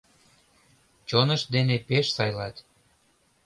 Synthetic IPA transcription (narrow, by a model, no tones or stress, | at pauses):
t͡ɕonəʃd̪enepeʃsɑjlɑt̪